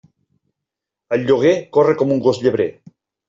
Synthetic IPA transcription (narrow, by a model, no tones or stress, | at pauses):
əlʎoɣ̞ekorekomuŋɡozʎeβɾḛ